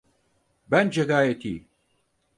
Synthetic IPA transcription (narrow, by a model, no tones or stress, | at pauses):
bɐnd͡ʒɐɡaːjɐt̪ʰḭː